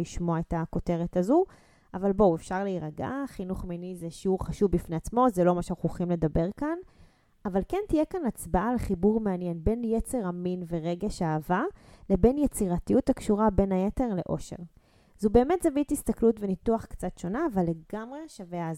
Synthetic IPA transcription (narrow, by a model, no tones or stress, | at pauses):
iʃmo̞aetako̞te̞ʁetazu | avalboefʃaʁleiʁaɡa̰χinuχminizeʃiuʁχaʃuvbifneat͡smo̞zelo̞maʃeaχuχimle̞d̪abe̞ʁkan | avalkentijekanat͡sbaaleχibuʁmeanjenbe̞njet͡se̞ʁaminve̞ʁeɡeʃaːvalebe̞njet͡siʁatijutakʃuʁabe̞najete̞ʁle̞̰ʔo̞̰ʃe̞̰ʁ | z̥ube̞ːme̞t̪zavitist̪aklutvenituaχkt͡satʃo̞naːvalːe̞ɡamʁe̞ʃavea